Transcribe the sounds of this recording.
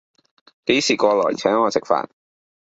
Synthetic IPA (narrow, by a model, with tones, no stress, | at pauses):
ke˨˥jsiː˨˩kʷɔː˧lɔ̰ː˨˩t͡sʰœː˨˥ŋːɔː˨˧t͡sɪ˨k̚fa̰ː˨n